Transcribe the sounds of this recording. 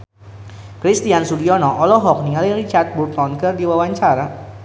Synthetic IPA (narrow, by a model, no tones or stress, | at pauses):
kɾist̪iansuliɔnɔʔɔlɔɦɔk̚niŋaliɾit͡ʃart̪̚burt̪ɔnkərdiwawaɲt͡ʃaɾa